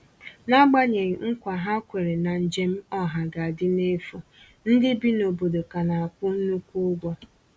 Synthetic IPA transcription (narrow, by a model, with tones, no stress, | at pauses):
na˦ɡ͡ba˦ɲe˨ŋ̩˨ŋ̩˦kʷa˨ɦa˦kʷe˨ɾe˨na˨n̩˨d͡ʒe˦m̩˦ɔ˦ɦa˨ɡa˨a˨dɪ˦ne˦fo˨ | n̩˦dɪ˦bi˦no˨bo˨do˨ka˨na˨a˨kʷʊ˦nu˦kʷu˦ɡʷɔ˦